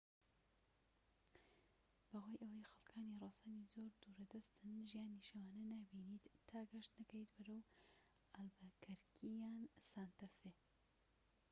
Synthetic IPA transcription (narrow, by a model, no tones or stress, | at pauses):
b̥ɐɦoːjʔɐwɐjxɐlˠkʰaːnirˤɑːsaːnizoːɾd̪uːɾɐd̪ɐst̪ɨnʒijaːniʃɐwaːnɐnaːbiːniːt̪ʰːaːɡɐʃt̪nɐkɐjt̪bɐɾɐw | ʔalbɐkʰɐɾkʰijaːnsaːnt̪ɐfe